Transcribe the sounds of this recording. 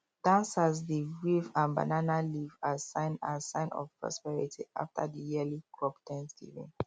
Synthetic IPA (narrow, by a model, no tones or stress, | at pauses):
d̥ãnsazdiɹivãnba̰nanalivasãɪ̃nasãɪ̃nɔ̰vpɹɔ̰spɛɹitʰiʔa̰ftʰa̰dijiəlikʰɹɔpdɛ̃nsdḭvḭ̃n